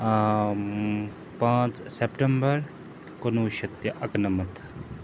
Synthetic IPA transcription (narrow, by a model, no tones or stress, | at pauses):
pãːt͡ssepʈembɐɾ | konuːʃɐt̪jɐʔɐknɐmɐt̪ʰ